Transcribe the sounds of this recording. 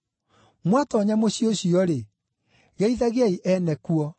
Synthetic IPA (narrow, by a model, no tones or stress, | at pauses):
mwatɔɲamoɕjoɕiɔɾe | ɣɛiðaɣeaiʔɛnɛkuɔ